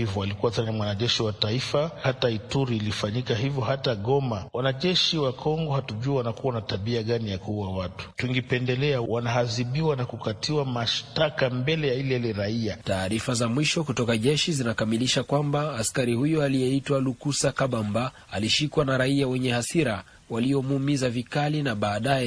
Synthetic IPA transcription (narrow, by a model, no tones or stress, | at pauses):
ivɔalikuwatanamwanaʄɛʃiwataifahataituɾiːlifaɲikahivjɔhataɠɔmawanaʄɛʃiwakʰɔŋɡɔhatuʄuawanakuwanatabiaɠanijakuuwawatu̥tuŋɡipɛndɛlɛawanaɦaziɓiwanakukatʰiwamaʃtakambɛlɛjailɛlɛɾaiataːɾifazamwiʃɔkutɔkaʄɛʃizinakamiliʃakwambaːskaɾihujɔalijɛitwalukusakaɓamba | aliʃikwanaɾaiawɛɲɛhasiɾa | waliɔmuːmizavikalinaɓaːɗajɛ